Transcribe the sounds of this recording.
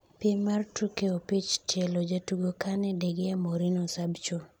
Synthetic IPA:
pjemartukeopit͡ʃt͡ʃɛlod͡ʒatuɡokanɛdeɡeamoɾinosabt͡ʃo

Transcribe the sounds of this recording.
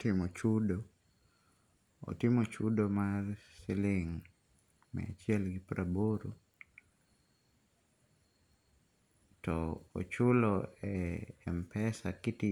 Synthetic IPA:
tɪmɔt͡ʃudo | o̰tɪmot͡ʃudomarsɪlɪŋ | mɛ̰a̰t͡ʃjɛlɡɪpɾaboɾu | tɔo̰t͡ʃulɔɛːmpɛsakɪti

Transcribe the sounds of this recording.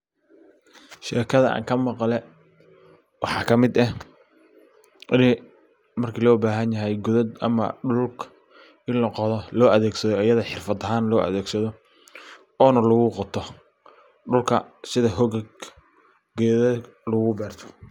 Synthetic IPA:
ʃɛːkʰɐðɐʔa̰ːŋkʰɐmɑqɑlɛ | wɑħɑːkʰɐmɪd̪ɐ | ʔɪnɛ | mɐrkʰilɔːbaːɦɐnjɐɦɛjɡʊðɐd̪ɐ̰mɐ̰ɖʊlkʰ | ʔɪnlɐqɔðɔlɔːʔɐðɛːɡsɐðɔɐjɐðɐħɪrfɐd̪ɐɦaːnlɔːʔɐ̰ðɛːɡsɐðɔ | ɔːnɐlʊɣʊqɔt̪ʰɔ | ɖʊlkʰɐsɪðɐɦɔɣɡ | ɡɛːðɐ | lɐɣʊbɛːrt̪ʰɔ̥

